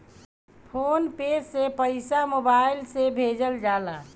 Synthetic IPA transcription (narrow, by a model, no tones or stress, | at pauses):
pʰonped͡ʒsepəɪsamobaɪilsebʱed͡ʒəld͡ʒaːla